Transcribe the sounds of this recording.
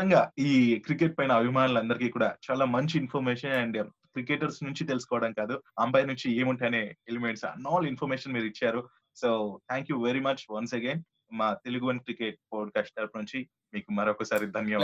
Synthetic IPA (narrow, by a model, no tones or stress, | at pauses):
ɐŋɡaːiːkɾike̞ʈ̚pɐjnɐːbʱimaːnulɐnd̪ɐɾikiːkuːɽaːt͡ʃaːlaːmɐɲt͡ʃiinpʰoɾmeːʂɐnɐɳɖ | kɾikeːʈɐɾsnuɲt͡ʃit̪elusu̥kɔːʋɐɽɐmkaːd̪uɐmpɐjnuɲt͡ʃieːmuɳʈaːneːelimeɳʈsɐ̰nːɔːlinpʰoɾmeːʃɐnmiːɾit͡ʃːaːɾu | soːt̪ʰæːŋkjuʋeɾimɐt͡ʃʋɐnsɐɡeːn | maːt̪e̞luɡuʋɐnkɾikeʈ̚poːɖ̚kaːsʈɐːɾpnuɲt͡ʃi | miːkumɐɾokːɐsaːɾid̪ʱɐnjɐ